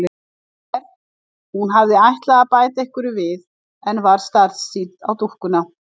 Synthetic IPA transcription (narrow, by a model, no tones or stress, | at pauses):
ɾ | hunɦavðɪajht̪laɣapaːjt̪aehkʏɾʏvɪð | ɛnvaɾ̥st̪aɾðsiːt̪a̰wt̪uhkʏna